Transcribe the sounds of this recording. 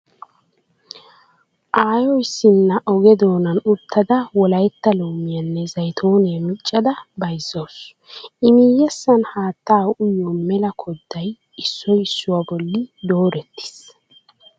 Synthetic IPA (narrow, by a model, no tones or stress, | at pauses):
ʔaːjɔjɪsːɪnːɐʔɔɡɛd̪o̞ːnɐnʊt̪ʰːɐd̪ɐwɔlɐjt̪ːɐloːmɪjɐnːɛzɐjt̪ʰoːnɛmɪt͡ʃʼːɐd̪ɐbɐjzːo̞ːs | ʔɪmijːɛsːɐnhaːt̪ːaːwʔʊjːɔmɛlɐkʰɔd̪ːɐj | ɪsːɔjɪsːʊwabɔlːɪd̪o̞ːɾɛt̪ːɪ̥s